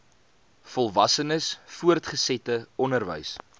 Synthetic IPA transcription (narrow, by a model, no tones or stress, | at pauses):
fɔlˠvɐsənəsfuərtχəsɛtəɔnərvə̰js